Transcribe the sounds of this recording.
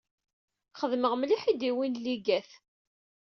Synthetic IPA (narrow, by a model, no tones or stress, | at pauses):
χəðməʁmliħid̪iwinliɡæθ